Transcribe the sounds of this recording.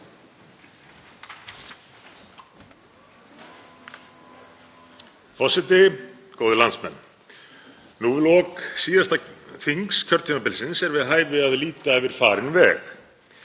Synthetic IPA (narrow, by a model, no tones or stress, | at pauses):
fɔsɪt̪ɪkoːwðɪlant̪smɛ̰nː | nuvɪlɔksiːðast̪aθiŋkscʰœɾt̪ʰimapɪlsɪnsɛɾvɪðɦaːjvɪaðliːt̪aɛvɪɾ̥faːɾɪnvɛ̰ːx